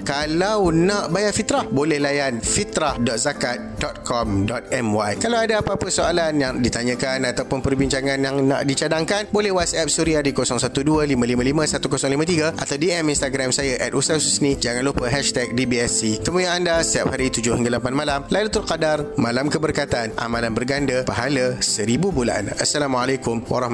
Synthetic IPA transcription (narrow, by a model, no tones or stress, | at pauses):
kalawnaʔbajaʔfit̪ɾahbolɛhlajanfit̪ɾahdɔt̪̚zakat̪̚dɔt̪̚kʰɔmdɔt̪̚ɛmwajkalawadaapaːpəsoalanjaŋdit̪aɲə̃kanat̪awpʊnpərbiɲt͡ʃaŋãnjaŋna̰ʔdit͡ʃadaŋkanbolɛhwasɛp̚suɾiadikosɔŋsat̪udualimãlimə̃limə̃sat̪ukosɔŋlimə̃t̪iɡaʔa̰t̪awdiɛminst̪aɡɾamsajaʔɛt̪usasusnid͡ʒaŋanlupəɦɛʃt̪ɛk̚dibiɛsit̪əmũjaandast̪iap̚haɾit̪ud͡ʒʊhiŋɡalapanmalamlalut̪urkadarmãlamkəbərkat̪anʔa̰mãlanbərɡandəpaɦaləsəɾibubula̰ʔa̰nʔasːalamualakʊmwa̰ɾɔhma